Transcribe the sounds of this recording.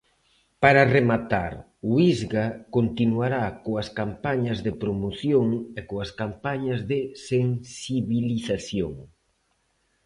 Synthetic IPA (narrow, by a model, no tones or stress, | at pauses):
paɾaremat̪a̰ɾ | uizɣakont̪inuaɾakoɐskampaɲɐzðɪpɾomoθjoŋekoɐskampaɲɐzðɪseŋsiβiliθaθjoŋ